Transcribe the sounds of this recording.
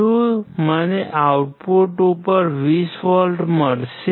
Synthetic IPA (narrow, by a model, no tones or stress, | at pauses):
uməneʔawuʈpoʈupəɾʋisʋɔlʈməɽʃe